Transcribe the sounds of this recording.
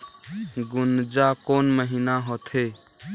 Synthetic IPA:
ɡund͡ʒakonməɦinaɦot̪ʰe

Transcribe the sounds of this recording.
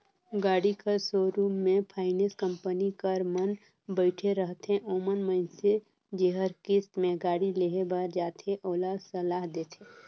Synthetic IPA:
ɡaːɽikəɾsoːɾuːmːẽpʰaːɪneskə̃mpənikəɾmən | bəɪʈʰeɾəɦt̪ẽʔoːmənməɪnse | d͡ʒeɦəɾkɪst̪mẽɡaːɽileːɦebaɾd͡ʒaːt̪ʰeʔoːlasəlaːɦd̪eːt̪ʰeː

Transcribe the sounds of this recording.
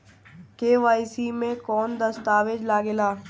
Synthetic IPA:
keːʋaːisimẽkɔːnd̪ɐst̪aːʋed͡ʒlaːɡelaː

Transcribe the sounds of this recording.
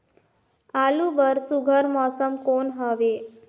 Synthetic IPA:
alubəɾsuɡʱəɾmɔsəmkonɦəʋe

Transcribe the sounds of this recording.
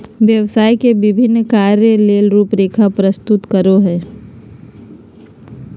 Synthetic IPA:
ʋjəʋsaːikebɪbʱɪnːkaːɾjəleːlɾuːpɾeːkʰapɾəst̪ʊt̪kəɾoɦɛː

